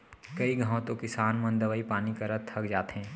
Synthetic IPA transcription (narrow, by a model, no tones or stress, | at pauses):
kɐiɡʱãːõt̪õkɪsaːnmɐ̃nd̪əʋaipaːnikɐɾət̪ʰɐkd͡ʒaːt̪ɦɛ̃ː